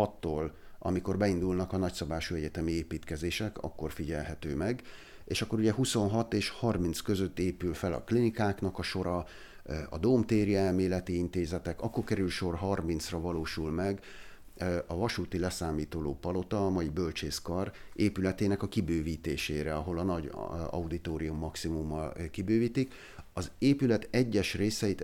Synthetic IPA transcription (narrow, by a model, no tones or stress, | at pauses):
ɒt̪ːoːlɒ̰miko̞rbɛind̪ulnɒkɒnɒcsɒbaːʃuɛɟɛt̪ɛmieːpiːt̪kɛzeːʃɛkɒ̰kːo̞rfiɟɛlɦɛt̪øːmɛɡ | ḛːʃɒkːo̞ɾuɟɛɦuso̞nɦɒt̪eːʃhɒrmint̪skø̞zøt̪ːeːpylfɛlɒ̰klinikaːknɒkɒʃo̞ɾɒ | ɒ̰d̪oːmt̪eːɾiɛlmeːlɛt̪iint̪eːzɛt̪ɛkɒkːorkɛɾylʃo̞rɦɒrmint̪srɒvɒloːʃulmɛɡ | ɒvɒʃuːt̪ilɛsaːmiːt̪oːlo̰ːpɒlo̞t̪ɒːmɒjibølt͡ʃeːskɒreːpylɛt̪eːnɛkɒkibøːviːt̪eːʃeːɾɛɒɦo̞lɒnɒɟɒ̰ud̪it̪oːɾijumːɒksimumːɒlkibøːviːt̪ik | ɒzeːpylɛt̪ɛɟːɛʃreːsɛit̪